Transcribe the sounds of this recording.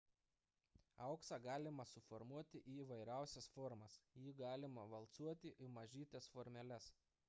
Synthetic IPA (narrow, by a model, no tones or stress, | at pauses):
ɐʊksɑɡɑːlʲɪmɐsʊfɔɾmuɔt̪ʲɪʔiiʋɐɪɾʲæˑʊsʲɛsfɔɾmɐsjiːɡɑːlʲɪmɐʋɐlˠˑt̪suɔt̪ʲɪʔɪmɐʒʲiːt̪ʲɛsfɔɾʲmʲɛlʲɛs